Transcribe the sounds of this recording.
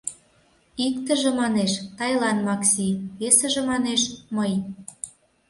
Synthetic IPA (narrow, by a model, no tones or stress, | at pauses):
ikt̪ə̆ʒĕmɑneʃt̪ɑjlɑnmɑksiβesə̆ʒĕmɑneʃməj